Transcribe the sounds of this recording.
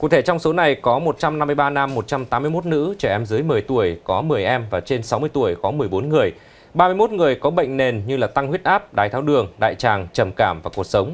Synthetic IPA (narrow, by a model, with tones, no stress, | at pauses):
kṵ˧˨˩t̪ʰe˧˩t͡ɕɔ˧wŋ͡mso˨˦na˨˩jkɔ˨˦mo˨˩t̚t͡ɕa˧mna˧mːɨ˧jɓaː˧na˧mːo˨˩t̚t͡ɕa˧mt̪aː˨˦mːɨ˧əjmo˦˥t̚nɨ̰˧˥t͡ɕɛ˧˩ʔɛ˧mzɨ˨˦jmɨ˨˩əjt̪u˧˩əjkɔ˨˦mɨ˨˩əjʔɛ˧mvaː˨˩t͡ɕe˧nsa˨˦wmɨ˧əjt̪u˧˩əjkɔ˨˦mɨ˨˩əjɓo˨˦nŋɨ˨˩əj | ɓaː˧mɨ˧jmo˦˥t̚ŋɨ˨˩əjkɔ˨˦ɓə̰˧˨jŋ̟ne˨˩nɲɨ˧laː˨˩t̪a˧ŋhwi˦˥t̚ʔaː˦˥p̚ɗaː˨˩jt̪ʰaː˧˩wɗɨ˨˩əŋɗa̰ː˧˨jt͡ɕaː˨˩ŋt͡ɕə˨˩mkaː˧˩mvaː˨˩ku˨˩ək̚sə˨˦wŋ͡m